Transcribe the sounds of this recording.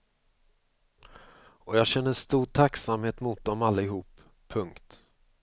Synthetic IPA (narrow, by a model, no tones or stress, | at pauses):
ɔjɑːɡɕɛnːəʂt̪uːʈʰaksamheːt̪mʊt̪̚d̪ɔmalːaɪɦuːpʰː | ɵŋkt̪